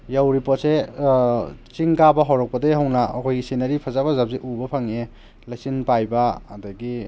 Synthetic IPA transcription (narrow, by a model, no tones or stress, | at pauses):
jawɾipot̚se | t͡ʃiŋɡabɐɦɔwɾɔk̚pɐdejɦawnaɔkʰɔjɡisinɐɾipʰazabɐzap̚zeʔubɐpʰaŋe | lajsinpajbaːdaɡi